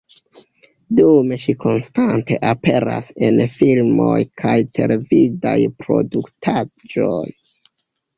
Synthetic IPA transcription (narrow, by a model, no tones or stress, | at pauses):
dume̞ʃikʰo̞nstante̞ʔape̞ɾasenfilmojkʰajtʰe̞levidajpɾo̞̰duktʰad͡ʒoj